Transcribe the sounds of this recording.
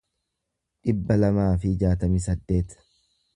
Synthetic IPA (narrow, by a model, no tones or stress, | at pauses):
ᶑɪbːɐlɐmaːfɪd͡ʒaːt̪ɐmiːsɐd̪ːe̞ːt̪